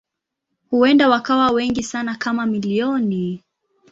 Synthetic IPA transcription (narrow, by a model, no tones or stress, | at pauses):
huɛndawakawawɛŋɡisanakamamiliɔni